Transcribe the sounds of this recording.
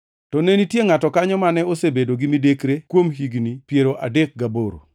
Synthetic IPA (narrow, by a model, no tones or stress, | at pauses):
tɔnenitjeŋatɔkaɲɔmanɛosebedoɡimidekɾekwomɦiɡnipjeɾoʔa̰dek̚ɡaboɾo̰